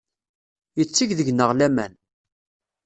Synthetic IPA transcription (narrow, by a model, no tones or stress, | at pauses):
jət͡sːiʝðəʝnəʁlæmæ̰n